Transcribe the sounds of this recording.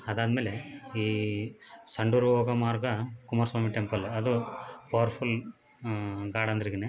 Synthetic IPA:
ɐd̪aːd̪ɐmeːleiː | sɐɳɖuɾoːɡɐmaːɾɡɐkumaːɾsʋaːmiʈempɐlɐd̪upɐːʋɐɾpʰul | ɡaːɽɐnd̪ɐɾiɡene

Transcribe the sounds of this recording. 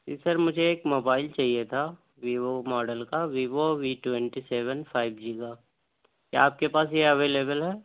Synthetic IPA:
siːsəɾmʊd͡ʒʱeːkmoːbaːɪlt͡ʃaːɦijet̪ʰa | ʋiːʋomɔːɖəlkaʋiːʋoʋiʈwɛ̃ɳʈiseːʋənpʰaːɪbd͡ʒiːkaː | ka̰aːp̚kepaːs̬jeɐʋeːleːbəlɦɛː

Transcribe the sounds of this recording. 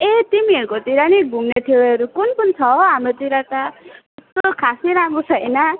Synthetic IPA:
et̪imieɾkɔt̪iɾaniɡuŋneʈ̪ʰiweɾukunpunt̪ʰɔamet̪iɾaʈa | st̪okʰasiɾamusʰajna

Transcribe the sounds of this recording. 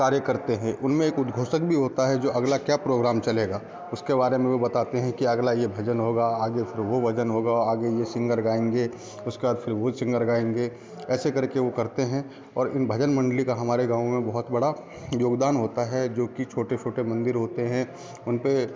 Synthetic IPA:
kaːɾjəkɐɾt̪eɦɛ̃ʔʊnmẽeːkʊt̪ɡʱoːsəkbʱiɦoːt̪aɦɛd͡ʒoːʔɐɡlakjaːpɾoːɡɾaːmt͡ʃɐleːɡaː | ʊskebaːɾemẽʋobɐt̪aːt̪eɦɛ̃kiɐɡlajebʱɐd͡ʒənɦoːɡaaːɡefʰɪɾʋobʱɐd͡ʒənɦoːɡaɔɾaːɡejesɪ̃ŋɡəɾɡaːẽːŋɡe | ʊskeaːd̪pfʰɪɾʋosɪ̃ŋɡəɾɡaːẽːŋɡeː | ɛːsekɐɾkeʋokɐɾt̪eɦɛ̃ | ɔːɾɪnbʱɐd͡ʒənmɐ̃ɳɖlikaɦɐmaːɾeɡãːʋõmẽbɐɦʊt̪bɐɽa | joːɡd̪aːnɦoːt̪aɦɛd͡ʒoːkit͡ʃʰoːʈet͡ʃʰoːʈemɐ̃nd̪ɪɾɦoːt̪eɦɛ̃ | ʊnpe

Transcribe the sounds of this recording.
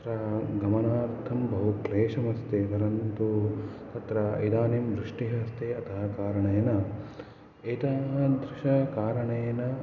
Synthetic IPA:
ɾɐɡɐmɐnaːɾt̪ʰɐmbɐɦukleːʂɐmɐst̪eːt̪ɐɾɐnt̪ut̪ɐt̪ɾɐɐ̰jd̪aːnimd̪ɾiʂʈiɦɐst̪eɐt̪ʰɐɦɐkaːɾɐɳɐjɐnɐ | ɐːt̪aːɦɐd̪ɾiʃɐkaːɾɐɳɐjɐnɐ

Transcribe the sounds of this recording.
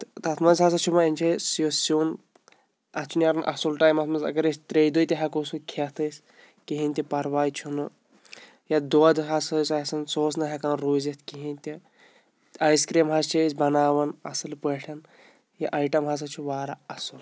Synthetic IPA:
t̪t̪ɐt̪ʰmɐnzʲɦɐs̬ɐt͡ʃʰumɐinʲt͡ʃʰesjosoːn | ɐt͡ʃʰunjaɾɐnʔɐ̰sulʈaːjmɐt̪ʰmɐnzɐ̰ɡɐɾesʲt̪ɾejd̪ojt̪ʲiɦɐkosukʰɐt̪ʰɨsʲ | kiɦinʲt̪ʲipɐɾʋaːjt͡ʃʰunɨ | jɐd̪oɐd̪ɦɐsɐsʲɐsɐnsoːsnɐɦɐkanɾoːzɐt̪ʰkiɦinʲt̪ʲi | aːjskɾiːmɦɐst͡ʃʰisʲbɐnaːʋɐnɐ̰sɨlpɐʈʰɐn | jɐʔaːjʈɐmɦɐs̬ɐt͡ʃʰuʋaːɾɐɐsul

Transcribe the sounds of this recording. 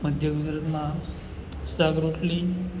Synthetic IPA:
məd̪ʱjaɡud͡zɾat̪ma | saɡɾoʂli

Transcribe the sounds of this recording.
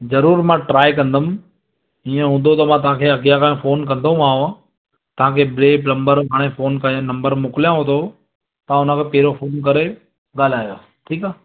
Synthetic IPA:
zɐɾuːɾmãʈɾaːjkɐ̃nd̪əm | iːẽɦũːnd̪ot̪ɐmãt̪ɐʋ̤ãːkʰeɐɡijakaːẽfoːnkɐ̃nd̪oũmaːɦõã | t̪ɐɦãːkʰeːbɾeːpnɐ̃mbəɾɦaːɽ̃efoːnkɐ̃nɐ̃mbəɾmʊkɪlijãɦot̪ʰo | t̪ãːʊn̤ə̃kʰeːpeːɾofoːnk̬ɐɾe | ɠaːl̤aːjo | ʈʰiːkaː

